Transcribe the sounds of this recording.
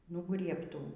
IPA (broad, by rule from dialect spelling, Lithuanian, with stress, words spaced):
nʊˈɡrʲiɛptuː